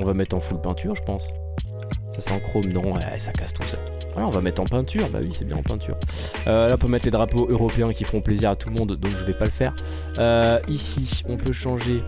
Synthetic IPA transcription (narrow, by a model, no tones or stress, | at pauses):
ɔ̃vamɛt̪χɑ̃fuləpɛ̃t̪ʰyʁʒəpɑ̃s | sasɛɑ̃kχomnɔ̃ɛ̰sakast̪usa̰ | va̰laɔ̃vamɛt̪χɑ̃pɛ̃t̪ʰyʁba̰wisɛbjɛ̃ɑ̰̃pɛ̃t̪ʰy̰ːʁ | ølaɔ̃pømɛt̪led̪ʁapoʔøʁɔpeɛ̃kʲifʁɔ̃pleziʁat̪ulmɔ̃d̪ːɔ̃kʒəvɛpaləfɛʁ | øisiɔ̃pøʃɑ̃ʒe